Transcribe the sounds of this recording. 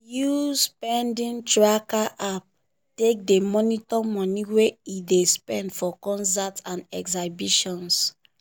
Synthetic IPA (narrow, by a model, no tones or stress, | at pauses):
juspɛ̃ndĩntɹakaʔap̚ | tek̚demɔnitɔmɔ̃niweidespɛ̃ndfɔkɔ̃nsatãnɛksabiʃɔ̃ns